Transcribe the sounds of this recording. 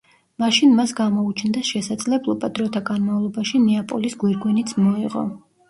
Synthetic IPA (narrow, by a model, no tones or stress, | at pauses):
maʃinmasɡamɔut͡ʃʰnd̪aʃɛsad̪z̥lɛblˠɔbad̪ɾɔt̪ʰaɡanmavlˠɔbaʃinɛapʼɔlisɡwiɾɡwɛnit̪sʰmɔḭʁɔ̰